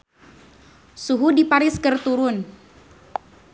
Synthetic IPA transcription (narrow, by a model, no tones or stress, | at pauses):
suɦudipaɾɪskɨrt̪uɾʊn